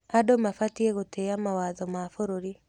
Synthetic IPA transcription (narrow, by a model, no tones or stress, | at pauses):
adomafatieɣoteamawaːðɔmafoɾoɾi